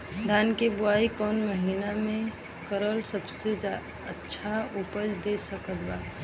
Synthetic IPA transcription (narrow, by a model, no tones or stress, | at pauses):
d̪ʱaːnkebʊaːikɔːnməɦiːnamẽ | kəɾəlsəbsed͡ʒ | ətːʃʰaupəd͡ʒd̪esəkət̪baːt̪